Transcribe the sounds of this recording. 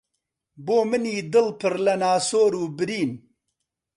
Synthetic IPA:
boːmɨniːd̪ɨlpʰɨɾlɐnaːsoːɾuːbɨɾiːn

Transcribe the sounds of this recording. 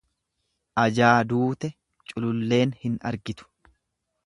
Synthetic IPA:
ʔɐd͡ʒaːd̪uːt̪ɛ | t͡ʃʼʊlʊlːe̞ːnhɪnɐ̰ɾɡɪt̪ʊ̥

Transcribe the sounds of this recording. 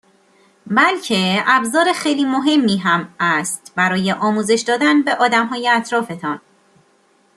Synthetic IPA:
bælcʰe̞æbzɒːɾexejliːmoɦe̞mːiːɦæmæst̪bæɾɒːje̞ʔɒːmuːze̞ʃd̪ɒːd̪ænbe̞ʔɒːd̪æmɦɒːjeæt̪ʰɾɒːfe̞t̪ʰɒn

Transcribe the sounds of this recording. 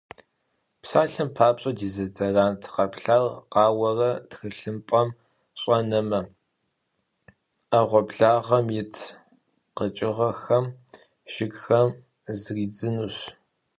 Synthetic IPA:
psaːɬɐmpʰaːpɕʼɐdiːzɐdɐraːntʰqɐpɬaːrqɑːwɐrɐtxɨɬɨmpʼɐm | ɕʼɐnɐmɐ | ɐʁʷɔbɮaːʁɐmjɪtʰ | qət͡ʃʼɪʁɐxɐm | ʒ̥ɪɡxɐm | zriːd͡zɨnuːɕ

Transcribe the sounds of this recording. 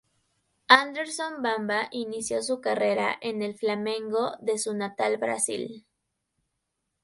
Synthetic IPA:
and̪eɾsombambaʔinisjo̞s̬ukare̞ɾa̰ʔe̞ne̞lflamẽ̞ŋɡo̞ðe̞sunat̪albɾa̰sḭl

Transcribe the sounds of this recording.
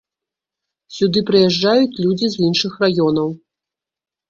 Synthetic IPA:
sʲud̪ɨpɾɨjɛʐd͡ʐːajut͡sʲlʲud͡zʲizinʂɨxrajɔnɐw

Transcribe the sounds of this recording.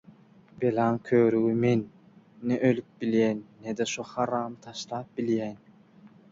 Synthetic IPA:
b̥elɑːŋkʲʰøːɾyɣymenː | eʔølyk̚biljæːnːed̪eʃuhɑɾɑːmt̪ʰɑʃlˠɑːp̚b̥iljæːn

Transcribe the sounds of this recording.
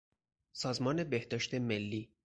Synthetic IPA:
sɒːzmɒːne̞behd̪ɒːʃt̪e̞melːiː

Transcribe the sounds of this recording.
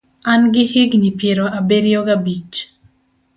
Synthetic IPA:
anɡɪhɪɡnipjeɾoʔabeɾjoɡabit͡ʃ

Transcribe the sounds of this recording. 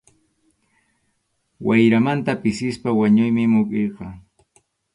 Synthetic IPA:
wajɾamant̪apɪsɪspawaɲʊjmɪmʊkʼejqɑ

